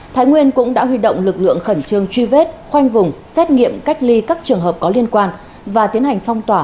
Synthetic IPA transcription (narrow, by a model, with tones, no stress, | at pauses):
t̪ʰaː˨˦jŋwi˧ənkʊ̰˧˥ŋ͡mɗa̰ː˧˥ɦwi˧ɗo̰˧˨wŋ͡mlɨ˨˩k̚lɨ̰˧˨əŋxə˧˩nt͡ɕɨ˧əŋt͡ɕwi˧ve˦˥t̚xwa˧jŋvʊ˨˩ŋ͡msɛ˦˥t̚ŋḭ˧˨əmka˦˥jk̟̚li˧kaː˦˥k̚t͡ɕɨ˨˩əŋɦəː˨˩p̚kɔ˨˦li˧ənkwaː˧n | vaː˨˩t̪i˨˦ənha˨˩jŋ̟fɔ˧wŋ͡mt̪waː˧˩